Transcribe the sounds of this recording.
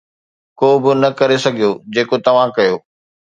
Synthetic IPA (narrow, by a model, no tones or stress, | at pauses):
koːbɪnɐkɐɾesɐɡʱijod͡ʑeːkot̪ɐʋ̤ãkɐjoː